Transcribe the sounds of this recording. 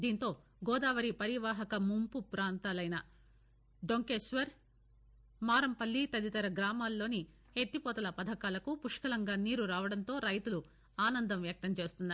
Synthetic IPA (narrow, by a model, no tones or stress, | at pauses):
d̪iːnt̪o̞ː | ɡɔːd̪aːʋɐɾipɐɾiʋaːɦɐkɐmumpupɾaːnt̪aːlɐjnɐ | ɖoŋkeːsʋɐɾ | maːɾɐmpɐlːit̪ɐd̪it̪ɐɾɐɡɾaːmaːlːo̞ːni | et̪ːipɔːt̪ɐlɐpɐd̪ʱɐkaːlɐkupuʂkɐlɐŋɡaːniːɾuɾaːʋɐɽɐnt̪o̞ːɾɐjt̪ulu | aːnɐnd̪ɐmʋjɐk̚t̪ɐmt͡ʃe̞ːst̪unːaː